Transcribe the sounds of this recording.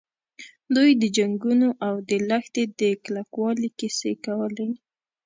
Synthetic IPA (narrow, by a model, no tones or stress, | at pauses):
d̪ujd̪əd͡ʒaŋɡunoʔawd̪əlaxt̪ed̪əklakwɑlikɪsekawəlaj